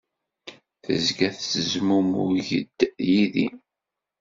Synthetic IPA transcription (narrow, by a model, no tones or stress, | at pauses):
θəzɡæθəzmumʊ̰ʝə̰d̪̥ːjiðḭn